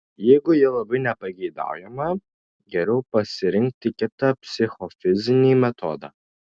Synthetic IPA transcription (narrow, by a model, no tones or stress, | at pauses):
jɛjɡʊjɛlˠɐbɐjnʲɛpɐɡʲed̪a̰ːwjɛmɐ | ɡʲɛɾʲɛwpɐsʲɪɾʲɪŋkt̪ːɪkʲɪt̪ɐpʲsʲɪxɔfʲɪzʲɪnʲimʲɛt̪ʰo̰d̪ɐ̰